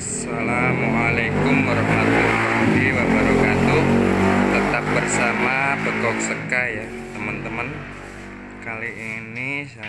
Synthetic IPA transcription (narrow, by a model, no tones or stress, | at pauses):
salamualakʊmwaɾɔhmat̪uɦiwabaɾakat̪ut̪ət̪ap̚bərsamabəkɔk̚səkaja | t̪əmənt̪əmən | kaliinisa